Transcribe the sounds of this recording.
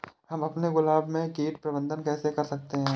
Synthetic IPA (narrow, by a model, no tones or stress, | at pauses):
ɦɐmɐpneɡʊlaːbmẽkeːʈ̚pɾɐbə̃nd̪ənkɛːsekɐɾsɐk̚t̪eɦɛ̃ː